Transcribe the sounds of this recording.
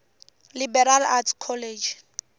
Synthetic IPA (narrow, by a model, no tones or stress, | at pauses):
libɛɾalatʰkʰɔled͡ʒ